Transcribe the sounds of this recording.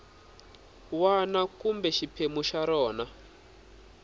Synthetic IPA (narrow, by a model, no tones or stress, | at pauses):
wanakumbɛʃipʰemuʃaɾɔːna